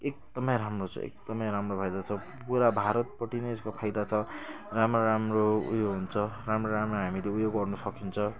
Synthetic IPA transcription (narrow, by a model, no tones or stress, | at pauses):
ek̚d̪ʌmʌjɾamrot͡sʰʌ̰ḛk̚d̪̥ʌmʌjɾamropʰajd̪at͡sʰʌpuɾabʱaɾʌt̪̚pʌʈinʌeskopʰajd̪at͡sʰʌ | ramroɾamroṵjoɡɦunt͡sʰʌramroɾamroɦamileujoɡɡʌrnusʌkint͡sʰʌ